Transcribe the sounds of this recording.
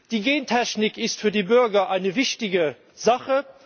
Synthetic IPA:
d̥iːɡeːntʰɛɕnɪkɪstfyːɐdiːbʏɐɡɐʔaɪnəvɪçtɪɡə | zaχə

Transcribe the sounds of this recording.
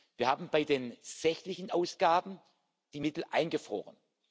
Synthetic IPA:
v̥iːɐhaːbm̩baɪdeːnz̥ɛçtlɪçn̩ʔaʊsɡ̥aːbn̩ | d̥iːmɪtl̩ʔa̰ɪnɡəfʁ̥o̰ːʁə̰n

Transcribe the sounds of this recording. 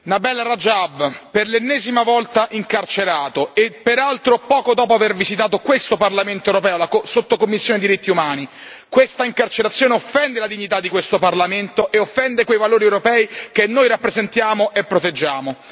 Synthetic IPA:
nabɛlːrad͡ʒabperlenːɛːzimavɔlt̪aʔiŋkart͡ʃeɾaːt̪oepːeɾalt̪ɾopɔːkod̪ɔːpoavervizit̪aːt̪okwest̪oparlament̪oewɾopɛːolakosot̪ːokomːisːjoːned̪iɾit̪ːiumaːnikwest̪aiŋkart͡ʃeɾat̪sːjoːneofːɛnd̪elad̪iɲːit̪ad̪ːikwest̪oparlament̪oʔeofːɛnd̪ekwejvaloːɾiewɾopɛːikenːojɾapːɾezent̪jaːmoʔepːɾot̪ed͡ʒːaːmo

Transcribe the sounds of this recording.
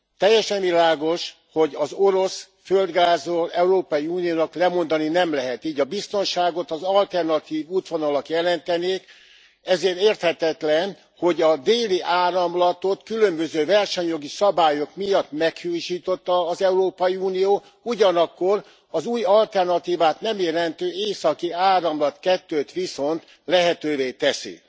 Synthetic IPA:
t̪ɛjːɛʃɛnvilaːɡo̞ʃ | ho̞ɟɒzo̞ɾo̞s | føld̪ɡaːzolɛuɾoːpɒjiuːnijoːnɒklɛmo̞nd̪ɒninɛmlɛɦɛt̪iːɟɒbist̪o̞nʃaːɡo̞t̪ɒzɒlt̪ɛrnɒt̪iːvuːt̪ʋo̞nɒlɒkjɛlɛnt̪ɛneːk | ɛzeːɾeːrt̪hɛt̪ɛt̪lɛn | ho̞ɟɒd̪eːliʔaːɾɒmlɒt̪o̞t̪kylømbø̞zøːvɛrʃɛɲjo̞ɡisɒbaːjokmijɒt̪mɛkhuːʃiːt̪o̞t̪ːɒːzɛuɾoːpɒjiuːnijoː | uɟɒnɒkːo̞r | ɒzuːjɒlt̪ɛrnɒt̪iːvaːt̪nɛmjelɛnt̪øːeːsɒkiaːɾɒmlɒt̪kɛt̪ːøːt̪ʋiso̞nt̪ | lɛɦɛt̪øːveːt̪ɛsḭ

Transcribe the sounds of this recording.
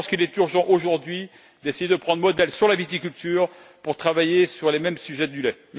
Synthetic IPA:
skilɛt̪yʁʒɑ̃ʔoʒuʁd̪ɥi | d̪esejed̪əpχɑ̃d̪ʁmɔd̪ɛlsyʁlavit̪̬ikʲylt̪yːʁpuʁt̪χavajesyʁlemɛmsyʒɛd̪ylɛ | m

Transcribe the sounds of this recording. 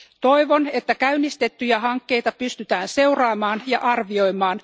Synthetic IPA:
t̪o̞jʋo̞net̪ːækæynːist̪e̞t̪ːyjæɦɑŋkːe̞jt̪ɑpyst̪yt̪æːnse̞uwrɑːmɑːnjɑʔɑrʋio̞jmɑːn

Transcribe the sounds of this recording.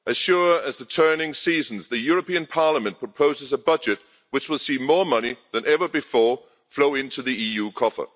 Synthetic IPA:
ʔɨz̥ʃʊɹɨzðətʰɜ˞nɪ̃ŋsiːzn̩zðɨjɔɹəpĩɨ̃npʰɑɹləmɨ̃npʰɹ̥əpʰoʊzɨzəbʌd͡ʒɨt̚ | wɨt͡ʃwəlˠsimɔɹmʌniðɨ̃nʔɛvə˞bɨfɔɹ | floʊɪ̃ntʉðiijʉkʰɔfə̰˞

